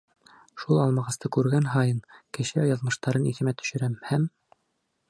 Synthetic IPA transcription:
ʃulˠɑlˠmɑʁɤ̆st̪ɤkʉɾɡænɦɑjɤnkɘ̆ʃɘɑjɑðmɤ̆ʃt̪ɑɾɤniθɘ̆mæt̪ɵ̥̆ʃɘ̆ɾæmhæm

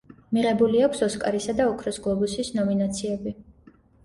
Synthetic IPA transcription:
miʁɛbuliakʷʰsɔskʼaɾisad̪aɔkʰɾɔsɡlˠɔbusisnɔminat̪sʰiɛbi

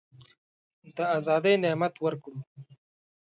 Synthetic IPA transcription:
d̪əazɑːd̪ejnemat̪wəɾkum

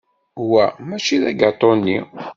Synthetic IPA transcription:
hwæmæt͡ʃiðæɡɑt̪ˤːonːi

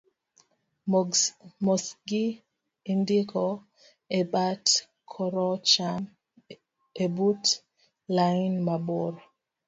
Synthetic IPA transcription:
mɔsɡi | indikɔ | ebat | kʰɔɾɔt͡ʃam | ebut | lajnmaboɾɔ

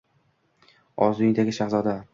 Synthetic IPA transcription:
ɒzʊɪŋd̪aɡʲɪʃaχzɒd̪a

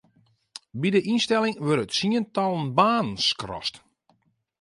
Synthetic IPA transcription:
bidəʔinstɛlɪŋʋøɾətsiəntɔlˠənbaːnskrɔ̰st

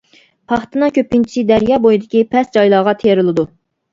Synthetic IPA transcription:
pʰɑχt̪ɨnɨŋkʲʰøpint͡ʃʰi̥sɨd̪ɛɾjɑːbojid̪ɪkʲipʰɛsd͡ʒɑjlˠɑːʁɑt̪ʰeɾɨlˠɨd̪u

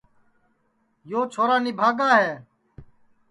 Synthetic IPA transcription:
joːt͡ʃʰoːɾaːnɪbʱaːɡaːɦɛː

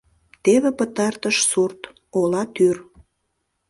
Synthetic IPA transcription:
t̪eβepət̪ɑrt̪əʃsurt̪ | olɑt̪yr

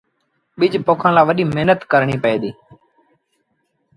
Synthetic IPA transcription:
ɓɪd͡ʒpoːkʰãːlaːʋəɗiːmeɦnət̪kəɾɳiːpəeːd̪iː

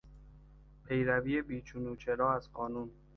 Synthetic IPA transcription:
pʰe̞jɾæviːebiːt͡ʃʰunuːt͡ʃʰeɾɒːæzɢɒːnuːn

